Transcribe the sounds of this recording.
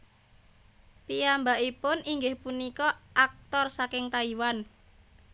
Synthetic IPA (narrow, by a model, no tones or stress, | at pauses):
piambaʔipʊniŋɡɪhpunikɔʔak̚t̪ɔrsakɪŋt̪aiwan